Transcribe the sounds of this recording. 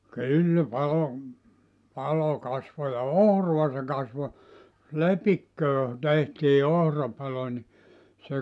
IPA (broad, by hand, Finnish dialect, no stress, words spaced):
kylːæ pɑlo pɑlo kɑsʋo jɑ ohruɑ se kɑsʋo lepikːøː tehtiː ohrɑpɑlo ni se